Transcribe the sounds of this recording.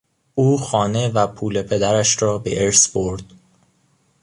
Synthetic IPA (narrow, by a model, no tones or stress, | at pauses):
ʔuːxɒːne̞væpʰuːle̞pʰe̞d̪æɾæʃɾɒːbḛʔeɾsboɾd̪̥